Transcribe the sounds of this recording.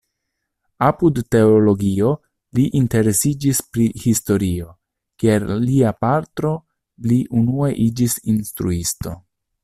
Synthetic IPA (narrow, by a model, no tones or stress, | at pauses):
apudːe̞olo̞ɡio̞ | liʔinte̞ɾe̞sid͡ʒispɾihisto̞ɾio̞ | kieɾliapaɾt̪ɾo̞ | liʔunue̞ʔid͡ʒisinst̪ɾuisto̞̰